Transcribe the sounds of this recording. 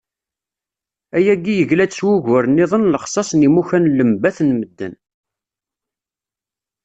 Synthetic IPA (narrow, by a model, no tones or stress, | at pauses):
æjæɡijəʝlæswuʝʊɾnːɪðˤənləχsˤɑsˤnimuçænləmbæθnməd̪ːə̰n